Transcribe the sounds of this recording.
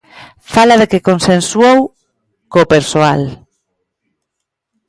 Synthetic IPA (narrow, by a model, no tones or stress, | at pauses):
falaðekekonsensuow | kopeɾsoal